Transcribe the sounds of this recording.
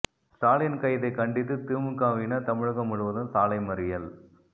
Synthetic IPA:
saːljɐnkɐjðɐɪkɐɳɖɪt̪ːɯt̪ɯːmɯkːaːʋinɐt̪ɐmɪɻɯɣɐmʊɻɯʋɐðɯmsaːlɐɪmɐɾɪjɐl

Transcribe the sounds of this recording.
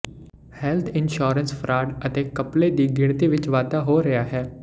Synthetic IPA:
hɛːlt̪ʰɪnʃoːɾənspʰəɾʔaːɖət̪eːkəpleːd̪iːɡɪɽt̪iːʋɪt͡ʃʋaːd̪aːɦoːɾəjaːɦɛː

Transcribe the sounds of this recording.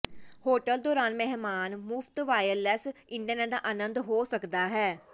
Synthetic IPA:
hoːʈəld̪ɔːɾaːnmɛɦmaːnmʊft̪ʋaːjəlɛsɪɳɖiaːnɛːd̪aːʔaːnənd̪ɦoːsəkd̪aːɦɛː

